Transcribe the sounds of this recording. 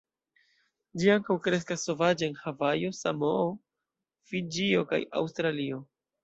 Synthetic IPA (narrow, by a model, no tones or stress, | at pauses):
d͡ʒiaŋkawkɾe̞skasːo̞vad͡ʒeenhavajo̞sa̰moo | fid͡ʒio̞ka̰ja̰wstɾalio̞